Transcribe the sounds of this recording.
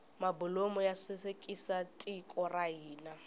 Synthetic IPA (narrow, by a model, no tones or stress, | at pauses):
mabʊlomɔjasɪsekʼisatʼikʼɔraiːna